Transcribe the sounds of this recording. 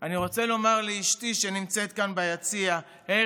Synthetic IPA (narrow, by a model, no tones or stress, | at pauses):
aniʁo̞t͡se̞lo̞maʁleiʃtiʃenimt͡se̞t̪̚kanbajat͡sia | he